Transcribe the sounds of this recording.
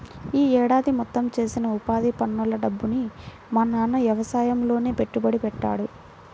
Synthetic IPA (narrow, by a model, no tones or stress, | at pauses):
iːɛːɽaːd̪imɔt̪ːɐmt͡ʃe̞ːsinɐupaːd̪ipɐnːulːɐɖɐbːuni | mɐnanɐʋjɐʋɐsaːjɐmlo̞ːne̞ːpe̞ʈːubɐɽipɛʈːa̰ːɽu